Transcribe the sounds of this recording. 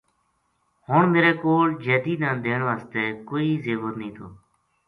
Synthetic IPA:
hoːɳmeːɾeːkoːld͡ʒeːd̪iːnãːd̪eːɳʋaːst̪eːkoːiːzeːʋət̪nəĩːt̪ʰoː

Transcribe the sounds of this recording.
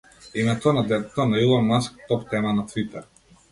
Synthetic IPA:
imɛt̪ɔnad̪ɛt̪ɔnailˠamask̚t̪ɔpt̪ɛmanat̪vit̪ɛɾ

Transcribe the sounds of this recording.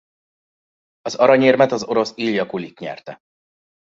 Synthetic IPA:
ɒzɒɾɒɲeːrmɛt̪ɒzo̞ɾo̞siːljɒkulik̪ɲɛ̰rt̪ɛ

